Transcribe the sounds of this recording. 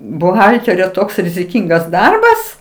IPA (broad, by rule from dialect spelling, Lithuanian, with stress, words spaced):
bʊˈɣɐlʲtʲɛrʲoː ˈtoːks rʲɪzʲɪˈkʲɪŋɡɐs ˈdɐrbɐs